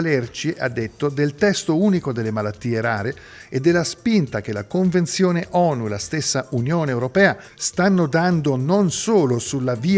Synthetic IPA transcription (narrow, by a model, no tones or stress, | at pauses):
lɛrt͡ʃia̰d̪ːet̪ːod̪elt̪ɛst̪ouːnikod̪elːemalat̪ːiːeɾaːɾe | ed̪ːelːaspint̪ak̟elakoɱvent̪sjoːneʔɔːnulast̪esːaunjoːneːwɾopɛːa | st̪anːod̪and̪ononsoːlosulːaviː